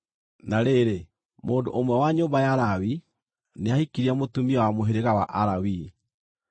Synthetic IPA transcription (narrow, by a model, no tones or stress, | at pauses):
naɾeːɾe | moːndo̰ʔomwɛwaɲoːmbajaɾawi | neahikiɾiamotumiɔwamoɦeɾeɣawa̰ʔaɾawi